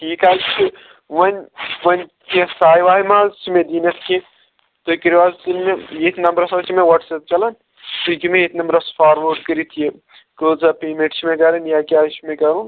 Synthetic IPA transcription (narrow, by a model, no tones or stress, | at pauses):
ʈʰiːkaːlt͡ʃʰi | ʋɐnʲʋɐnʲkesaːjʋaːɦimaːzt͡ʃʰimẽd̪iːnɐskẽ | t̪okiɾʋaːzt͡ʃilmẽjet̪ʰnɐmbɾɐsɐt͡ʃʰimẽʋɐʈsep̚t͡ʃɐlɐn | t̪ukimẽjet̪ʰnɐmbɾɐspʰaːɾʋɐɾɖkəɾit̪ʰije | kolt͡sɐpeːmẽʈt͡ʃʰimẽkɐɾɐnjakʲaːt͡ʃʰimẽkɐɾun